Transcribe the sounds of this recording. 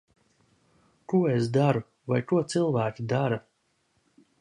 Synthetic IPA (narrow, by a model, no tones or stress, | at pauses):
kuɔesd̪aɾu | vajkuɔt̪sɨlˠvæːkʲid̪aɾa